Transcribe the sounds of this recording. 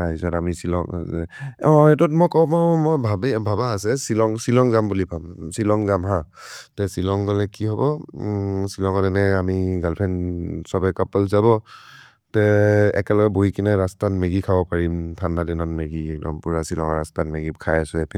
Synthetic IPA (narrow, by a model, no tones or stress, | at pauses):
aizɔtamisilɔ̰ŋɛɔɛtɔtmɔjkɔmɔmɔjbʱabɛbʱabaːsɛsilɔŋsilɔŋzambulipabsilɔŋzamɦãtɛsilɔŋɡɔlɛkiɦɔbɔ | silɔŋɔdɛnɛamiɡalpʰɛnsɔbɛkapɔlzabɔ | tɛɛ̰kɛlɔkɛbojkinɛɹastatmeɡikʰabɔpaɹimtʰanːadɛnɔnmeɡiɛk̚dɔ̰mpuɹasilɔ̰ŋɔɹa̰stat̚meɡikʰajasʊɛp